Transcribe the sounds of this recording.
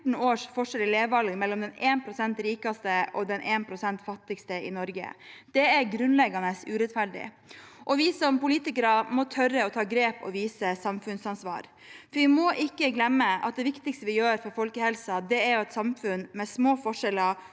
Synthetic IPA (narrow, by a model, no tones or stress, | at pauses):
ɳ̩oːʂfɔʂɛlɪleːʋɑlɡmɛlːɔmd̪ɛneːnpʰɾʊsɛnt̪ɾiːkɑst̪əɔd̪ɛnʔeːnpʰɾʊsɛnt̪fɑt̪ːɪɡst̪əɪ̰nɔɾɡə̰d̪̥ɛæɾɡɾʉnlɛɡɑnəsʉːɾɛt̪fæɖɪ̰ | ʔɔʋɪsɔmpʊliːt̪ɪkəɾɑmɔt̪ʰœrəɔt̪ʰɑːɡɾeːpɔ̰ʋiːsəsɑmfʉnsɑnsʋɑ̰ːɾ | fɔɾʋɪmɔʔɪkːəɡlɛmːəʔɑ̰t̪̚d̪ɛʋɪkt̪ɪɡst̪əʋɪjøːɾfɔɾfɔlkəhɛlsɑd̪ɛæɾjʊɑt̪sɑmfʉnmɛsmoːfɔʂɛlɑ